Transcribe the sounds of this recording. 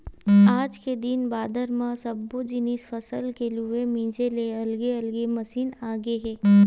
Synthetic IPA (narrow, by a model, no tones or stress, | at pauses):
aːd͡ʒked̪ɪnbaːd̪əɾmãsɐbːod͡ʒɪniːsfɐsəlkelɦʊemĩːd͡ʒeleɐlɡeɐlɡemɐsiːnaːɡeɦɛː